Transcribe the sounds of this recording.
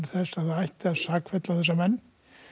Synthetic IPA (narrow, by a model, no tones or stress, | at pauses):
θɛsaθaajht̪asaːkfɛt̪lawθɛs̬ːamɛnː